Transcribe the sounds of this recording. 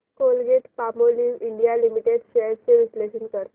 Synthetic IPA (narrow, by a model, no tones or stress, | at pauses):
kolɡeʈpamoliʋiɳɖijalimiʈeɖɕeɾt͡ɕeɾisleɕənkəɾ